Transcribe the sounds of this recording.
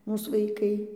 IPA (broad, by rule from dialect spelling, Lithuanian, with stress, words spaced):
ˈmuːs ʋɐɪˈkɐɪ